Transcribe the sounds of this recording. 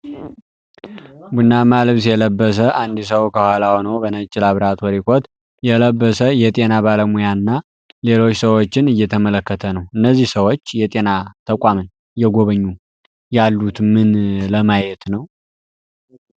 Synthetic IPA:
bunːamalɨβsjɛləbːəs̬əʔand̪is̬əwkʰəhʷalawnəwbənət͡ʃʼːɪlaβɾat̪ʰwɔɾikʰot̪ | jɛləbːəsəjɛt̪ʼe̞naβaləmujanɨnːa | le̞lo̞t͡ʃːsəwo̞t͡ʃːɪnɨjːɛt̪ʰəmələkːət̪ʰənəwɨnːəzːihsəwo̞t͡ʃːjɛt̪ʼe̞nat̪ʰəkʷʼamən | jɛɡo̞βəɲːu | jalːut̪mɨnləmajɛt̪nəw

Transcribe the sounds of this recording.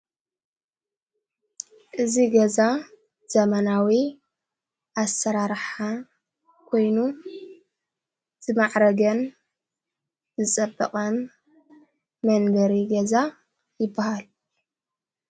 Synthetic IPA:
ʔɨziɡɐza | z̥ɐmɐnawi | ʔasɐɾaɾħa | kʰo̞jnu | z̥ɨmaʕɾɐɡɐn | zɨt͡sʼɐbːɐqʼɐn | mɐnbɐɾiɡɐza | jɪbːahal

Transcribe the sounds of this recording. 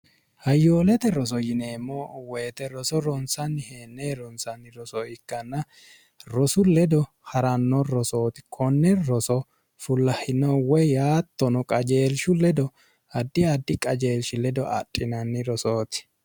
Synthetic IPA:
hɐjːoːlɛt̪ɛɾɔs̬ɔjɪneːmːowɛːt̪ɛɾɔsɔɾɔnsɐnːɪheːnːeːɾɔnsɐnːɪɾɔsɔɪkːɐnːɐ | ɾɔsʊlɛd̪ɔ | hɐɾɐnːɔɾɔso̞ːt̪ɪ̥kʰɔnːɛɾɔsɔ | fʊlːɐhɪnɔwɛjjaːt̪ːɔnɔkʼɐd͡ʒe̞ːlʃʊlɛd̪ɔ | ɐd̪ːɪɐd̪ːɪkʼɐd͡ʒe̞ːlʃɪlɛd̪ɔʔɐ̰tʼːɪnɐnːɪɾɔsoːt̪ɪ̥

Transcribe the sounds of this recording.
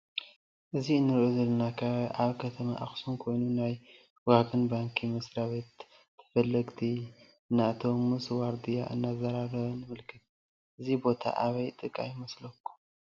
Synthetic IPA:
ʔɨziɨnːɨɾʔozɐlːɐnakʰaʔaβkʰɐt̪ʰɐma̰ʔaxsunkʰo̞jnunaj | waɡɨnbaŋkʰimɐsɾaβe̞t̪ʰː | ɨ̥fɐlːɐɡt̪ʰi | nat̪ʰomːɨswaɾd̪ija̰ʔɨ̰nːazɐɾaɾɐβɐnɨmɨlkʰɨt̪̚ | ʔɨzibo̞t̪ʰa̰ʔaβɐjt̪ʼɨkʼːa̰jɪmɐslɐkʰːu̥

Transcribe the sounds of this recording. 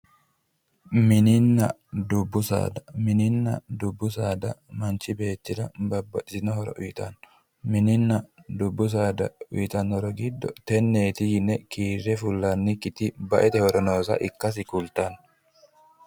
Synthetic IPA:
mɪnɪnːɐd̪ʊbːʊsa̰ːd̪ɐmɪnɪnːɐd̪ʊbːʊsaːd̪ɐmɐnt͡ʃɪbe̞ːt̪ːɪɾɐbɐbːɐt͡ʃːɪnɔhɔɾɔ̰ʔʊjɪt̪ɐn | mɪnɪnːɐd̪ʊbːʊs̬aːd̪ɐʊ̰jt̪ɐnhɔɾɔɡɪd̪ːɔt̪ɛnːeːt̪ɪjɪnɛkiːrːɛfʊlːɐnːikɪt̪ɪbɐʔɛt̪ɛhɔɾɔnoːsɐ̰ʔɪkːɐs̬ɪkʊlt̪ɐn

